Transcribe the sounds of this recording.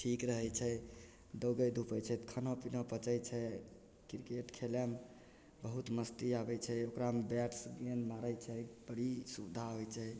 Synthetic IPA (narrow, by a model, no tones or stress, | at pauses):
ʈʰikɾəɦɛt͡ʃʰɛ | d̪əɡəjd̪ʱupəjt͡ʃʰɛt̪kʰənɔpinəpət͡ʃət͡ʃʰɛ | kiɾkeʈkʰelem | bəɦut̪məst̪iabɛt͡ʃʰɛokɾamebɛʈsɡenmaɾəjt͡ʃʰɛbəɽisud̪ʱaɦojt͡ʃʰɛ